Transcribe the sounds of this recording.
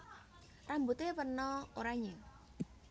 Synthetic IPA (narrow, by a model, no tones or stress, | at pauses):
rambut̪epərnɔoɾaɲɪŋ